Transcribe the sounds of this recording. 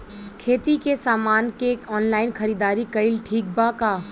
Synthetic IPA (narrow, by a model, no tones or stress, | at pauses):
kʰeːt̪ikesaːmaːnkekɔːnlaːɪnxɐɾiːd̪aːɾikɐɪlʈʰiːk̚bakaː